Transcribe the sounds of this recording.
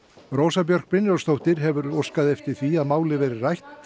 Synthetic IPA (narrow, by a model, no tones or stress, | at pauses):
roːwsapjœɾ̥k̚pɾɪnjɔwst̪owht̪ɪɾɦɛvʏɾowskaðɛft̪ɪɾ̥θviaðmaːwlɪvɛːɾɪrajht̪